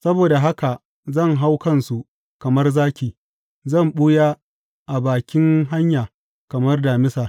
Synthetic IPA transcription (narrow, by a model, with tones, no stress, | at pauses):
sɐ˦boː˨da˨ɦa˦ka˨ | zɐ˦˨ŋɦa˦wkɐ˦nsu˨ʔ | kɐ˨mɐ˦rzaː˦kʲiː˨ | zɐ˦˨mɓʊ˦jaː˦ | ʔa˨baː˨kʲɪ˦ŋɦa˦ɲjaː˨ | kɐ˨mɐ˦rdaː˨mɪ˦saː˨